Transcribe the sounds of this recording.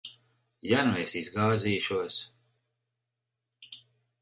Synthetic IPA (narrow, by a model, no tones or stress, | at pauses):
januɛjsizɡaːziːʃuɔs